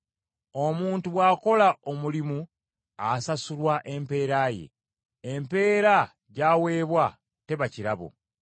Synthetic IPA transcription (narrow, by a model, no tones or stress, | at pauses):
o̞muːntuβwaːko̞laomulimu | asasulwaʔe̞mpe̞ːɾaje̞̰ː | mpe̞ːɾa | ɟaːwe̞ːβwa | te̞βaciɾaβo̰